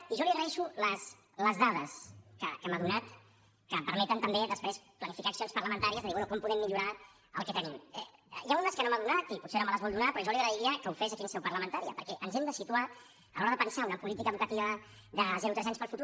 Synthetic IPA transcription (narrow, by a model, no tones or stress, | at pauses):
iʒɔliəɣɾəɛʃuləs | ləzðað̞əskə̰kəmaðunat̪ | kəpəɾmɛt̪ənt̪əmbeðəspɾesplənifikaːksionspəɾləmənt̪aɾiəzðəðiβɛnukɔmpuðɛmːiʎuɾa | ə̰lˠkɛt̪ənimɛjaunəskənomaðunat̪iput̪senomələzβɔlˠd̪unapɾɔʒɔliəɣɾəðiɾiəkəuwfɛzəkinsɛwpəɾləmənt̪aɾiə̰pəɾkɛʔənzɛmd̪əsit̪ua | əlɔɾəðəpənsaunəpulit̪ikəβukət̪iβə | ðəzɛɾut̪ɾɛzaɲspəlˠfut̪u